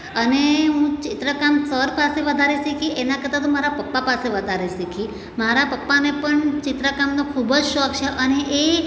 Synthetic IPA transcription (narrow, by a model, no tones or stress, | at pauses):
əneɦũt͡ʃɪt̪ɾəkamsəɾpaseʋəd̪ʱaɾeʃikʰiʔenakət̪ʰat̪̬ũmaɾapəpːapaseʋəd̪ʱaɾesikʰi | maɾapəpːanepəɳt͡ʃɪt̪ɾəkamnokʰubəd͡ʒʃəkʃəʔəneʔe